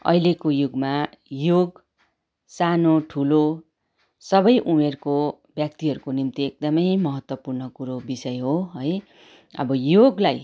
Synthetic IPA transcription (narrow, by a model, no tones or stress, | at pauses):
ʌ̰ilekojuɡma | joɡ | sanoʈʰulo | sʌbʌjʔumerko | bjak̚t̪iɦʌɾukonimt̪iek̚d̪ʌmʌjmʌɦʌt̪wʌpurnʌkuɾobisʌjɦoɦʌj | ʌ̰bʌjoɡlaj